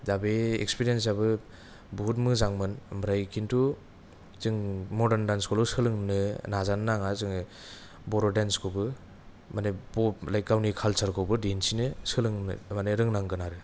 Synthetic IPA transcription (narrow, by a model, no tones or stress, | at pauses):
dabeḛkspiɾiens̬abɯ | buɦut̬̚mɯzaŋmɯnmɾajkʰintu | zɯŋmɔdendanskʰɔlusɯlɯŋnɯnazannaŋazɯŋ | bɔɾɔdenskʰobɯ | manebɔlajkawnikʰalsaɾkʰɔwbɯdinsinɯsɯlɯŋmaneɾɯŋnaŋɡɯnaɾɯ